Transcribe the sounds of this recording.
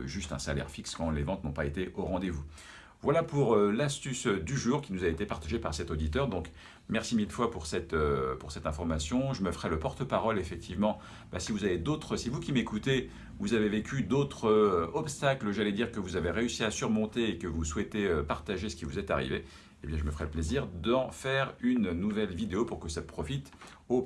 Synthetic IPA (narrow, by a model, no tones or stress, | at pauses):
ʒyst̪ɛ̰̃sa̰lɛ̰ʁfikskɑ̃levɑ̃t̪nɔ̃paet̪eʔoʁɑ̃d̪evu | vwalapuʁlast̪ysd̪yʒuːʁkʲinuzaet̪epaʁt̪aʒepaʁsɛt̪od̪it̪œʁd̪ɔ̃k | mɛʁsimilfwapuʁsɛt̪øpuʁsɛt̪ɛ̃fɔʁmasjɔ̃ʒəməfəʁɛləpɔʁt̪əpaʁɔlefɛk̚t̪ʰivmɑ̃ | b̥a̰sivuzaved̪ot̪χəsivukʲimekut̪e | vuzavevekʲʰyd̪ot̪χəɔpst̪akləʒalɛd̪iʁkəvuzaveʁeysiasyʁmɔ̃t̪eːkəvuswɛt̪eøpaʁt̪aʒesə̥kʲivuzɛt̪a̰ʁḭve | ebjɛ̃ʒəməfəʁɛləpleziʁd̪ɑ̃fɛʁynnːuvɛlvid̪eopuʁkəsapχɔfit̪ | o